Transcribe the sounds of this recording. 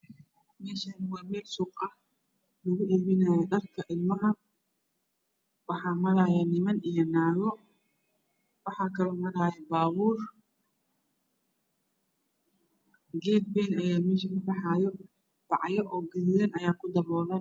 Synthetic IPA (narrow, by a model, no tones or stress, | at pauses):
mɛːʃɐnwɐrmɛːlsuːqʼɐ | lɐɣʊʔɪlmɪnaːjɐɗ̪ɐrkʰɐʔɪlmɐɦɐ | wɑħɑːmɐɾaːjɛnɪmɐnijɔnaːɣɔ | wɑħɑːkʰɐlɔːmɐɾaːjɛbaːβuːr | ɡɛːd̪̚bɛnɐjaːmɛːʃɐkʊbɐħaːjɔ | b̥ɑʕjɔʔɔːɡɐðɪɾɐnɐjaːkʰʊd̪ɐmɔːlɐ